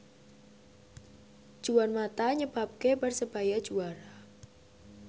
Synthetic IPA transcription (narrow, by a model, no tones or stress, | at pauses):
ʒ̥uwanmat̪aɲəb̥a̤p̚kebərsəb̥ajad̥ʒ̥uaɾa